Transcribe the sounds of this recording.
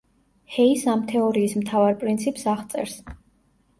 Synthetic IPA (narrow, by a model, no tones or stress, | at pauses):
hɛisamt̪ʰɛɔɾiːsmt̪ʰavaɾpʼɾint̪sʰipʼsaʁt̪sʼɛ̰ɾs